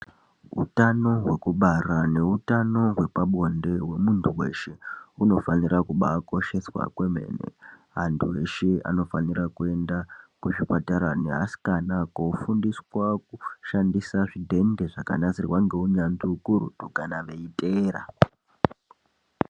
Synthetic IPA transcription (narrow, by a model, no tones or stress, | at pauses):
ṵtano̞ɦwe̞kuɓarane̞utano̞ɦwe̞paɓo̞nde̞we̞muntʰuwe̞̰ʃeuno̞fanirakuɓako̞ʃe̞swa̰kwe̞me̞̰nḛ | ɦantʰue̞ʃea̰no̞fanirakue̞ndakuʐipataɾaneɦa̰si̥kanakoufundiswak̚uʃandisaʐidʱe̞nde̞ʐaka̰nasirwaŋɡe̞uɲand͡ziukuɾṵtukanaʋe̞iteːɾa̰